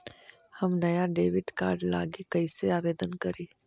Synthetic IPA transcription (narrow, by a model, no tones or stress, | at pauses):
hɐmnɐjaɖeːʋɪʈka̰ːɾɖla̰ːɡikɐiseaːʋeːd̪ənkɐɾiː